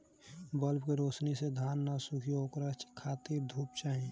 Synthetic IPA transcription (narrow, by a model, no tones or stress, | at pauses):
bəlbkeɾoːsnised̪ʱaːnːasʊkʰioːkɾət͡ʃkʰaːt̪iɾd̪ʱuːpt͡ʃaːɦẽː